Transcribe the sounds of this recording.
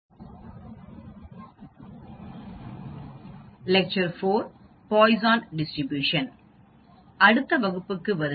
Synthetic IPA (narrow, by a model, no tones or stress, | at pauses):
lɛk̚t͡ʃɐɾfoːɾ | pɔːɪzaːnɖɪsʈɾɪbjuːʂɐn | ɐɽɯt̪ːɐʋɐɣɯpːɯkːɯʋɐɾ